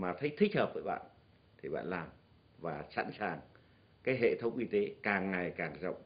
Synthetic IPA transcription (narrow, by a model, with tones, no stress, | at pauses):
maː˨˩t̪ʰə˨˦jt̪ʰï˦˥k̚həː˨˩p̚vəː˨˦jɓa̰ː˧˨n | t̪ʰi˨˩ɓa̰ː˧˨nlaː˨˩m | vaː˨˩sa˧˥nsaː˨˩ŋ | kaː˨˦jɦḛ˧˨t̪ʰə˨˦wŋ͡mʔi˧t̪e˨˦kaː˨˩ŋːa˨˩jkaː˨˩ŋzə̰˧˨wŋ͡m